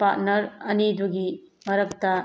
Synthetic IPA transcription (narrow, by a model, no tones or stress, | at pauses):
paɾt̚nɐɾɐniduɡimɐɾɐk̚tɐ